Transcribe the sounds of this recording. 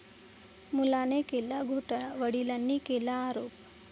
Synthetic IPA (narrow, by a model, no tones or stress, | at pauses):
mulaːnekelːaɡʱoʈɐʋɐɽilɐnːikelːaaːɾoːp